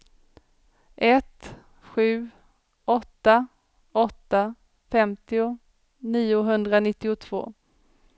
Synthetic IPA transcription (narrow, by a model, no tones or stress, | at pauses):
ʔɛt̪ | ɧʉ̟ː | ɔt̪ːa | ɔt̪ːa | fɛmt̪ɪʊ | niːʊɦɵnd̪ɾanɪt̪ːɪʊt̪ʰv̥o̰ː